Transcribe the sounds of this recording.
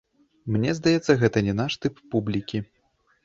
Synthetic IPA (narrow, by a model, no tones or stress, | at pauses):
mnʲɛzd̪ajɛt̪sːɐɣɛt̪ɐnʲɛnaʂt̪ɨpːublʲikʲi